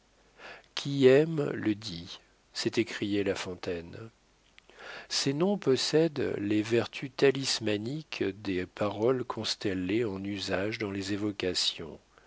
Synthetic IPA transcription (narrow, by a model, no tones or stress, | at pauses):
kʲʰiɛmləd̪i | sɛt̪ekχijɛlafɔ̃t̪ɛn | senɔ̃pɔsɛd̪levɛʁt̪ʰyt̪alismanikd̪epaʁɔlkʰɔ̃st̪ɛleɑ̃nyzaʒd̪ɑ̃lezevɔkasjɔ̰̃